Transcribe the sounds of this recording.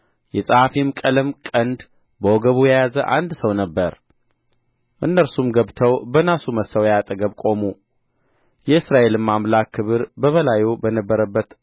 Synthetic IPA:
jɛsʼəhafimkʼəlɨmkʼənd̪ | bəwoɡəβujajazəʔa̰nd̪səwnəbːəɾ | ʔɨnːəɾsumɡəβt̪ʰəwbənasuməsəwjat̪ʼəɡəβkʼo̞mu | jɛɨsɾaʔe̞lɨmːamlakːɨβɨɾbəβəlajubənəbːəɾəbːət̪

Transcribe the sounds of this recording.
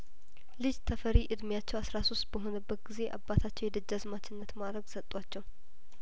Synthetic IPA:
lɨd͡ʒt̪ʰəfəɾiʔɨd̪mjat͡ʃːɛwasɾaso̞st̪bəɦo̞nəbːət̪̚ɡize̞ʔa̰bːat̪ʰat͡ʃːɛwjɛd̪ɨd͡ʒːazmat͡ʃːɪnːət̪mad̪ɾəɡsət̪ʼwat͡ʃːɛw

